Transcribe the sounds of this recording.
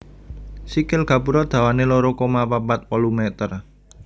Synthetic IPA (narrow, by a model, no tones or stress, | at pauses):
sikɪlɡ̥ä̤puɾɔd̪̥ä̤waneloɾokomapapat̪̚pɔlumɛt̪ər